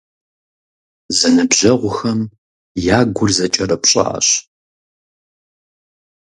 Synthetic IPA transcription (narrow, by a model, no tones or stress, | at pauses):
zɐnɨbʑɐʁʷʊxɐm | jaːɡʷʊrzɐt͡ʃʼɐrɐpɕʼɐ̰ːɕ